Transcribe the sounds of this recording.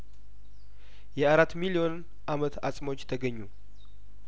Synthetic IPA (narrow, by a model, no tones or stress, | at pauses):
jɛaɾat̪ːmilio̞n | ʔamət̪ʰasʼməwot͡ʃːt̪ʰəɡəɲːu